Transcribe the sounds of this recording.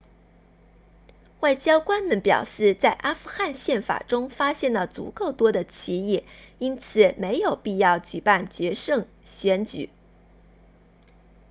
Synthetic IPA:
wa˥˩ɪt͡ɕjɑ˥ʊkwa˥nmə˧˨npjɑ̰˨˩ʊʂɻ̩˥˧t͡sa˥˩ɪʔa˥fu˥xa˥˧nɕjɛ˥˩nfa̰˨˩ʈ͡ʂʊ˥ŋfa˥ɕjɛ˥˩nlə˨˩t͡sṵ˧˥ko˥˩ʊt̪wɔ˥d̪ə˨t͡ɕʰi˧˥i˥˩ | i˥nt͡sʰɹ̩˨˩me˧˥ɪjo˨˩ʊpi˥˧jɑ˥˩ʊt͡ɕy˨˩pa˥˩nt͡ɕɥɛ˧˥ʂɤ˥˩ŋ | ɕɥɛ˧˥nt͡ɕy̰˨˩˦

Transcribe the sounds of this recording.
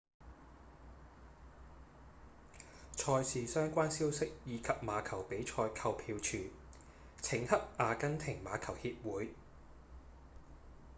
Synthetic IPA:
t͡ʃʰɔː˧jsʰiː˨˩sœː˥ŋkʷaː˥nsiː˥wsɪ˥k̚jiː˨˧kʰɐ˨p̚maː˨˧kʰɐ˨˩wpe˨˥jt͡ʃʰɔː˧jkʰɐ˧wpʰiː˧wt͡ʃʰyː˨˩ | t͡sʰɪ˨˩ŋhɐ˥p̚ʔaː˨˧kɐ˥nt̪ʰɪ˨˩ŋmaː˨˧kʰɐ˨˩whiː˧p̚wuː˨˥j

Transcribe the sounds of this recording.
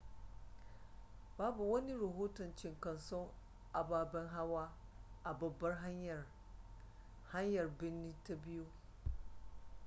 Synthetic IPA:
baː˦bu˨wɐ˦ni˦ɾɐ˨ɦoː˦tɔ˨nt͡ʃɪ˦ŋkɐ˨nsɔ˦ŋ | ʔa˨baː˨bɐ˦ŋɦa˦waː˦ʔa˨bɐ˨bːɐ˦rɦa˦ɲj | ha˦ɲjɐ˨rbɪ˦nːi˦ta˦bɪ˦jo˦

